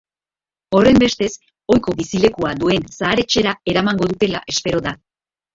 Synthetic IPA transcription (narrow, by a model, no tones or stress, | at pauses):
o̞re̞mbe̞st̪e̞s | o̞jko̞βisile̞kuad̪ue̞nsaːɾe̞t͡ʃe̞ɾae̞ɾamaŋɡo̞ðut̪e̞la̰ʔe̞spe̞ɾo̞ða